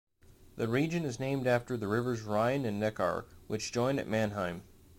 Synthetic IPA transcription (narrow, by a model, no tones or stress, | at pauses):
ðɨɹid͡ʒɨ̃nɨznẽɪ̃mdæftə˞ðɨɹɪvə˞zɹãɪɨ̃nɨ̃nːɛkɑ̰ɹwʔɨt͡ʃd̥ʒ̥ɔ̃ɪ̃ndɨ̰ʔ̚mæ̃nɦãɪ̃m